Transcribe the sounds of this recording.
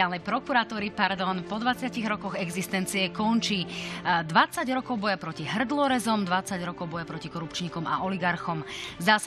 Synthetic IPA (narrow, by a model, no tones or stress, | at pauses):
aːlnɛjpɾɔkuɾat̪uːɾipaɾd̪ɔnpɔd̪ʋat͡sɪaciɣɾɔkɔɣɛɡzist̪ɛnt͡siɛkɔnt͡ʃid̪ʋat͡saɟɾɔkɔʊbɔjapɾɔciɦr̩d̪lˠɔɾɛzɔmd̪ʋat͡saɟɾɔkɔʊbɔjapɾɔcikɔɾupt͡ʃɲiːkɔma̰ʔɔliɡaɾxɔmzd̪as